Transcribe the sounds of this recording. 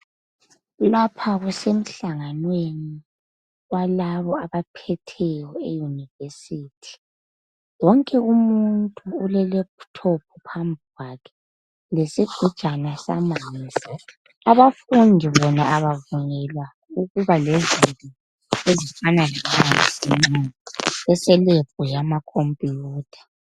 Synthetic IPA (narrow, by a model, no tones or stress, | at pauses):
lapʰaɣusem̩ɬaŋanweni | walaβɔaβapʰɛtʰɛjɔejunivesiːtʰi̥ | wɔŋkʼɛumuntʼuːlɛlɛptʰɔpʰupʰambuwakʰɛ | lesiɡ̥ʱud̥ʒ̥ʼʱanasa̰maːnnd͡zʱi | aβafundʱiβɔnaʔaβavuɲɛlwa | uɣuβalɛzintʼi | ezifanalaŋanisiminɛsɛlep̚ʼujamakʰompʼijuːtʰḁ